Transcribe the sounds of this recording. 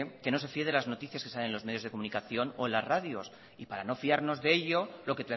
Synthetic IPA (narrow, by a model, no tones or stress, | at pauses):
ke̞no̞se̞fieðe̞lazno̞t̪iθjaske̞salenlo̞zmeðjoðeko̞mũnikaθjo̞no̞elazraðjo̞s | ipaɾano̞fiaɾno̞zðe̞eʎo̞lo̞ket̪e